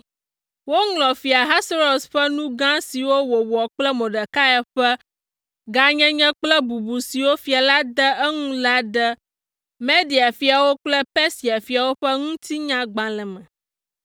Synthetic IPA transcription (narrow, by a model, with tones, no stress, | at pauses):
wo˦ŋlɔ̃˨fi˨a˨ɦa˦sɾo˨sɸɛ˦nũ˦ɡã˦si˨wo˦wo˨wɔ˨k͡plɛ˦mõ˨ɖɛ˨ka˦ja˨ɸɛ˦ | ɡa˦ɲɛ̃˦ɲɛ̃˦k͡plɛ˦bu˨bu˨si˨wo˦fi˨a˨la˦d̪ɛ˦ɛ˦ŋũ˦la˦d̪ə˦ | mẽ˦di˨a˨fi˨a˨wo˦k͡plɛ˦pɛ˦si˨a˨fi˨a˨wo˦ɸɛ˦ŋũ˦t̪i˦ɲã˦ɡ͡bã˨lɛ˨mɛ̃˨